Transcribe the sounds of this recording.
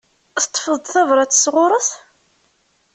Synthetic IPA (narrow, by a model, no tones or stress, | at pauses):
θt̪ˤːfəðˤd̪θævɾˤɑt͡sːə̥sʁʊɾˤəθ